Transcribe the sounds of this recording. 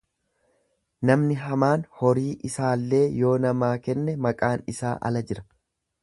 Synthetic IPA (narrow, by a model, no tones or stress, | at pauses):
nɐmnɪɦɐmaːnhɔɾiːʔɪsaːlːe̞ːjo̞ːnɐmaːkɛnːɛmɐkʼaːnɪsa̰ːʔɐ̰lɐd͡ʒɪɾɐ̥